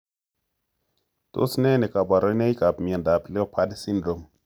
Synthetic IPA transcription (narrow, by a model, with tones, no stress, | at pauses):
to̰˦sne˦ne˨ka˨ba˨ɾo˦jne˦jka˨pmi˨e˨nda˨pi˨le˦o˦pʰa˦dsi˦ndɾo˨m